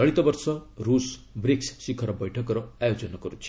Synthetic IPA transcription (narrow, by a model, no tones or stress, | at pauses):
ʌɭit̪ʌbʌrsʌɾusbrikssikʰʌɾʌbʌjʈʰʌkɾʌajod͡zʌnʌɡʌɾut͡sʰi̥